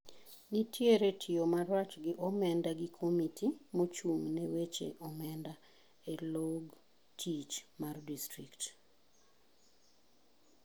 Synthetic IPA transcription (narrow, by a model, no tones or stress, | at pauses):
nitʰjeɾetʰɪomarat͡ʃɡɪʔɔmɛndaɡɪkʰomitʰimot͡ʃuŋnɛwet͡ʃḛʔɔmɛnda | eloɡ | tʰit͡ʃmardistɾikt